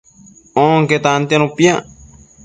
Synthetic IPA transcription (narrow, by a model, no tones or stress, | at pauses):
oŋket̪ant̪janũpia